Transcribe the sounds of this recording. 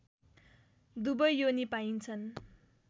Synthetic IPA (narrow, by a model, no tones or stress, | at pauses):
d̪ubʌjjonipaint͡sʰʌn